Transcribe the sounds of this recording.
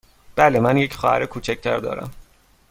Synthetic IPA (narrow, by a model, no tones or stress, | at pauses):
b̥ælemænjecʰxɒ̰ːhæ̰ɾekʰuːt͡ʃʰæc̚t̪ʰæɾd̪ɒ̰ːɾæ̰m